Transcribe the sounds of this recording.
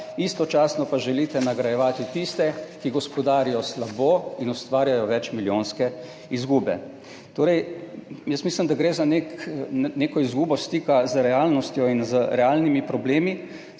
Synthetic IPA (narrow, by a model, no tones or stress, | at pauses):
ist̪ɔt͡ʃaːsnɔpaʒɛlit̪ɛnaɡɾajɛʋaːt̪it̪ist̪ɛkiɡɔspɔd̪aːɾijɔslaboːinust̪ʋaːɾjajɔʋɛt͡ʃmiljoːnskɛ | izɡuːbɛ | t̪oːɾɛjjəsmiːslimd̪aɡɾeːzaneknekɔizɡuːbɔst̪iːkazəɾɛaːlnɔst̪jɔinzəɾɛaːlnimipɾɔbleːmi